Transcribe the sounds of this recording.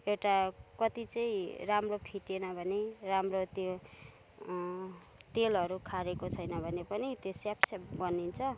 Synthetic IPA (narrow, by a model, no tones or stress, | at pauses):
ewʈakʌt̪it͡sʌĩramropʰiʈenʌbʱʌneramrot̪o | t̪elʌɾukʰaɾekot͡sʰʌjnʌbʱʌnepʌnit̪josjapsaɡʌnint͡sʰʌ